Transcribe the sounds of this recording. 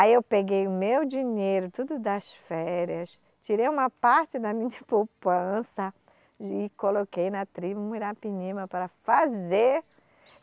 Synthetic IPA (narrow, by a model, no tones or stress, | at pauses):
aiewpeɡejʊmewd͡ʒiɲejɾʊt̪ud̪ʊd̪ɐsfɛɾjɐs | t͡ʃiɾejũmɐpaɾt͡ʃɪd̪ɐmĩɲɐpowpɐ̃sɐ | ɪkolokejnɐt̪ɾibumiɾapiɲĩmɐpaɾɐfazeɾ